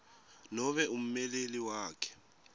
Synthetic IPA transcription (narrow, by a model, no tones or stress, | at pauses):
nɔβɛum̩mɛleliwaːkʰɛ̥